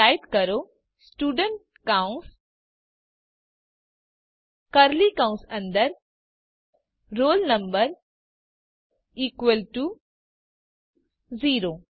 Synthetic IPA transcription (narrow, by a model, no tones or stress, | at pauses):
ajʈkəɾo | sʈuːɖəɳʈ̚ | kaũns | kɐɾlikãũnsɐ̃nd̪əɾ | ɾoːlnɐmbəɾ | iːkʋelʈu | ziːɾo